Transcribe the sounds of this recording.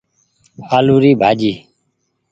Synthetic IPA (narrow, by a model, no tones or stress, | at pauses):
aːluːɾiːbʱaːd͡ʒiː